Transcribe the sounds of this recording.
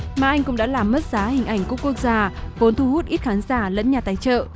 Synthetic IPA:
maː˨˩ʔa˧jŋ̟kʊ̰˧˥ŋ͡mɗa̰ː˧˥laː˨˩mːə˦˥t̚z̥aː˨˦hï˨˩ŋ̟ʔa˧˩jŋ̟ku˧˥pkːu˦˥ək̚zaː˧˩vo˨˦nt̪ʰu˧hu˦˥t̚ʔi˦˥t̚xaː˨˦nzaː˧˩lə̰˧˥nɲaː˨˩t̪aː˨˦jt͡ɕə̰ː˧˨

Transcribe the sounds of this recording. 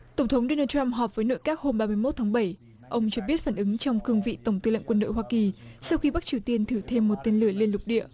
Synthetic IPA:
t̪ə˧˩ŋ͡mt̪ʰə˨˦wŋ͡mɗo˧naː˧t͡ɕa˧mɦɔ˨˩p̚v̥əː˨˦jno̰˧˨jkaː˦˥k̚ho˧mɓaː˧mɨ˧əjmo˦˥t̚t̪ʰa˨˦ŋɓə˧˩j | ʔə˧wŋ͡mt͡ɕɔ˧ɓi˦˥ət̚faː˧˩nʔɨ˨˦ŋt͡ɕɔ˧wŋ͡mkɨ˧əŋvḭ˧˨t̪ə˧˩wŋ͡mt̪ɨ˧lə̰˧˨ŋkwə˧nɗo̰˧˨jɦwaː˧ki˨˩sa˧wxi˧ɓa˦˥k̚t͡ɕi˨˧əwt̪i˧ənt̪ʰɨ˧˩t̪ʰe˧mːo˨˩t̚t̪e˧nlɨ˧˩əli˧ənlʊ˨˩k͡p̚ɗḭ˧˨ə

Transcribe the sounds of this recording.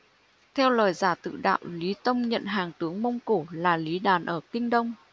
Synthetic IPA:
t̪ʰɛ˧wləː˨˩jzaː˧˩t̪ɨ̰˧˨ɗa̰ː˧˨wli˨˦t̪ə˧wŋ͡mɲə̰˧˨nɦaː˨˩ŋt̪ɨ˨˦əŋmə˧wŋ͡mku˧˩laː˨˩li˨˦ɗaː˨˩nʔəː˧˩kï˧ŋ̟ɗə˧wŋ͡m

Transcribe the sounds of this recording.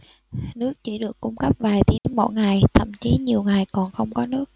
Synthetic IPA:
nɨ˦˥ək̚t͡ɕḭ˧˩ɗɨ˨˩əkːʊ˧ŋ͡mkə˦˥p̚vaː˨˩jt̪i˨˦mo̰˧˥˩jŋa˨˩jt̪ʰə̰˧˨mt͡ɕi˨˦ɲi˨˩əwŋa˨˩jkɔ˨˩nxə˧wŋ͡mkɔ˨˦nɨ˦˥ək̚

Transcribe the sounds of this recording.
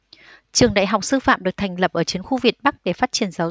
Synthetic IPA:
t͡ɕɨ˨˩əŋɗa̰ː˧˨jɦa˨˩wk͡p̚sɨ˧fa̰ː˧˨mɗɨ˨˩ək̚t̪ʰa˨˩jŋ̟lə˨˩p̚ʔəː˧˩t͡ɕi˨˦ənxu˧vi˨˩ət̚ɓa˦˥k̚ɗe˧˩faː˦˥t̚t͡ɕi˧˩ənzaː˨˦w

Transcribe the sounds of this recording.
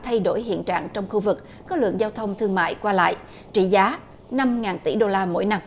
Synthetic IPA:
t̪ʰa˧jɗo˧˩jɦḭ˧˨ənt͡ɕa̰ː˧˨ŋt͡ɕɔ˧wŋ͡mxu˧vɨ˨˩k̚ | kːɔ˨˦lɨ̰˧˨əŋzaː˧wt̪ʰə˧wŋ͡mt̪ʰɨ˧əŋma̰ː˧˨jkwaː˧la̰ː˧˨jʔ | t͡ɕḭ˧˩zaː˨˦ | na˧mŋaː˨˩nt̪i˧˩ɗo˧laː˧mo̰˧˥jna˧m

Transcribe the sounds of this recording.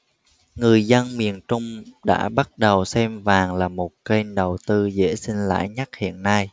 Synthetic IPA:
ŋɨ˨˩əjzə˧nmi˨˩ənt͡ɕʊ˧ŋ͡mɗa̰ː˧˥ɓa˦˥t̚ɗə˨˩wsɛ˧mvaː˨˩ŋlaː˨˩mo˨˩t̚kə˧nɗə˨˩wt̪ɨ˧zḛ˧˥si˧nla̰ː˧˥jɲa˦˥k̚hḭ˧˨ənːa˧j

